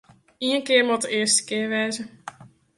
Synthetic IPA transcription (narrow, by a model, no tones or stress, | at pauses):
iənkɪːəmɔdəʔɪəstə̥kɪːɹʋɛːzə